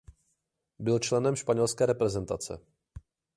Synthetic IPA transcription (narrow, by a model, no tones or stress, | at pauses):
bɪlt͡ʃlɛnɛmʃpaɲɛlskɛːɾɛpɾɛzɛnt̪at͡sɛ̰